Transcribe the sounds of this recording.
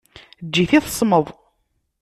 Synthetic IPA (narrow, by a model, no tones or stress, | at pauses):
d͡ʒːiθiθə̥sˤməðˤ